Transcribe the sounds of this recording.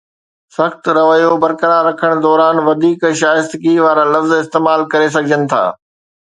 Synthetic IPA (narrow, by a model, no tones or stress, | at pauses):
sɐxt̪ɾɐʋəjobɐɾkəɾãɾɐkʰəɽ̃d̪ɔːɾaːnʋɐd̪ʱiːkʃaːɪst̪kiʋaːɾalɐfzɪst̪eːmaːlkɐɾes̬ɐɡʱɪd͡ʑənɪ̆t̪ʰa̰ː